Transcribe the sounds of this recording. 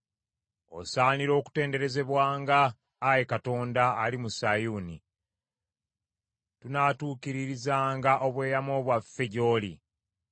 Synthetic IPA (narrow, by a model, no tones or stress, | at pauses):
o̞̰saːniɾo̞ːku̥te̞ːnde̞ɾe̞ze̞βwaːŋɡaː | jekato̞ːndaːlimusajunḭ | tunaːtuːkiɾiɾizaːŋɡaʔo̞βwe̞ːjamo̞ːβwafːe̞ɟo̞ːli